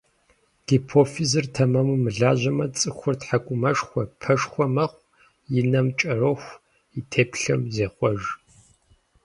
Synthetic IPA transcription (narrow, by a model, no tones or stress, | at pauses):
ɡ̥ipʰoːfizɨrtʰɐmɐmumɨɮaːʑɐmɐt͡sʼɨxʷʊrtħakʷʼʊmɐʂxʷɔpʰɐʂxʷɔmɐχʷ | jɪnɐmt͡ʃʼɐroxʷ | itʰeːpɬɐmzeːχʷɔʒ